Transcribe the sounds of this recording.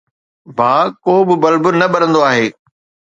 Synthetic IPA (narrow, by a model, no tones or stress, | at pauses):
baːkoːbɪbɐlbʊnɐɓɐɾə̃nd̪oaːɦeː